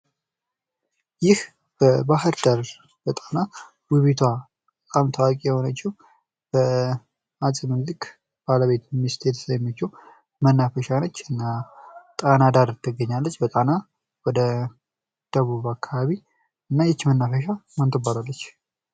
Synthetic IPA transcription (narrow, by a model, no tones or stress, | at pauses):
jɪh | b̥əbahɨɾd̪aɾ | b̥ət̪ʼana | wiβit̪ʰwa | t̪ʼəkʼamt̪ʰawakʼijɛho̞nat͡ʃːɛw | b̥ə | asʼɨmɨnlɨkʼ | b̥aləβe̞t̪mːist̪ʰet̪ʰə̥sajmːət͡ʃːɛw | mənːafəʃanət͡ʃːɨnːat̪ʼanad̪aɾt̪ʰːɨɡəɲːalːət͡ʃːbət̪ʼana | wɔd̪ə | d̪̥əβuβakʰːaβaβi | ɨnːajɛt͡ʃːmənːafəʃamant̪ʰʼəbalalːət͡ʃː